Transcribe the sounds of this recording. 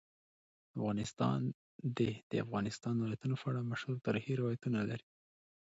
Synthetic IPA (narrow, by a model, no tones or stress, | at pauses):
afɣɑnɪst̪ɑ̰n | d̪ed̪̥əafɣɑnɪst̪ɑnd̪wlajat̪unofaɽamaʃhuɾt̪ɑɾxiɾɪwɑjat̪unalaɾi